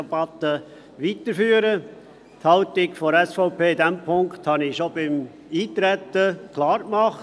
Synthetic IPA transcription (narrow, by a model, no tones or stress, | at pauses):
ɛbɑt̪ːə | ʋit̪əɾfyːəɾə | thɑlt̪ɪkfɔɛsfɔʊpʰeːɪd̪ɛmpʰʊŋkthɑnɪʃobɪm | iːt̪ɾɛt̪ːəkʰlɑːɾkmɑχ